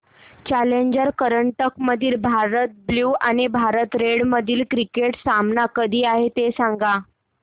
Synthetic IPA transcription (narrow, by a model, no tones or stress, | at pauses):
t͡ɕaleɲd͡ʑəɾkəɾəɳʈəkməd̪ʱiːlbʱaɾət̪̚bljuːañibʱaɾət̪ɾeɽməd̪ʱiːlkɾikeʈsamnakəd̪ʱiːaɦet̪esaŋɡa